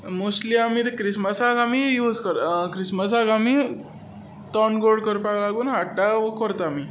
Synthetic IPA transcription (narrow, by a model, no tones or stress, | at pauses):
mosliamit̪ekɾisməsaɡamijuːd͡zkəɾkɾisməs̬aɡami | t̪ɔnɡoɽkəɾpalaɡuːnɦaʈaʋəkɔɾt̪ami